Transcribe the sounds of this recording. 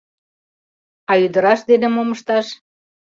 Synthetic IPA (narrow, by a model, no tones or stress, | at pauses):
ɑyd̪ə̆ɾɑʃd̪ed̪ĕmoməʃt̪ɑʃ